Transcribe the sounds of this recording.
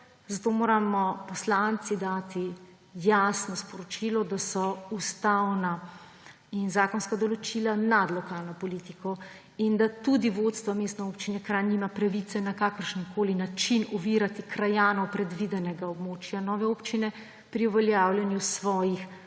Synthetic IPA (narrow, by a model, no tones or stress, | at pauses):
zat̪oːmoːɾamɔpɔslant̪sid̪aːt̪i | jasnɔspɔɾɔt͡ʃilɔd̪asɔust̪awna | inzaːkɔnskad̪ɔlɔt͡ʃilanad̪lɔkaːlnɔpɔlit̪ikɔ | ind̪at̪ud̪iʋot̪st̪ʋamest̪nɛoːpt͡ʃinɛkɾaniːmapɾaʋit̪sɛnakakəɾʃənkʰoːlinat͡ʃinɔʋiɾat̪ikɾajaːnɔwpɾɛd̪ʋid̪ɛnɛɡaɔbmoːt͡ʃjanɔːʋɛoːpt͡ʃinɛ | pɾiuʋɛljawlʲjɛnjusʋɔːjix